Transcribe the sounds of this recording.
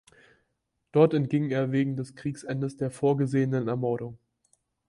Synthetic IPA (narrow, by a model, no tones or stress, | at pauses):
d̥ɔɐtɛntɡ̥ɪŋeːɐveːɡŋ̩dɛskʁ̥iːksʔɛndəsd̥eːɐfoːɐɡəzeːənənɛɐmɔɐɾʊŋ